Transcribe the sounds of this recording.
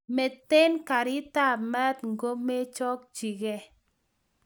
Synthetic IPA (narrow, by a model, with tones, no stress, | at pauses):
mɛ˨te˦nka˨ɾɪ˦ta˦˨mɛ˦tŋ˨ɡo˦me˦t͡ʃɔ˦k̚t͡ʃi˨ɡɛ˦